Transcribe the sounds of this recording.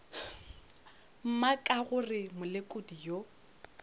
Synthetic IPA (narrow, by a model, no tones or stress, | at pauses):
m̩makʼaɣʊrɪmʊlɪkʼʊdijo